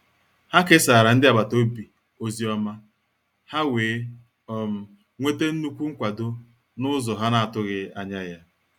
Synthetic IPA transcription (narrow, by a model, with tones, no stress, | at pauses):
ha˦kɪ˦sa˨ɾa˨n̩˦dɪ˦a˨ba˨to˦bi˨ | o˨zi˨ɔ˦ma˦ | ha˦weː˨˦ | ɔ˦m̩˨ | ŋʷe˦te˦n̩˦nu˦kʷu˦ŋ̩˦kʷa˨dʊ˦ | nʊ˦zɔ˨ɦa˦na˨a˨tʊ˦ɣɪ˨a˨ɲa˦ja˦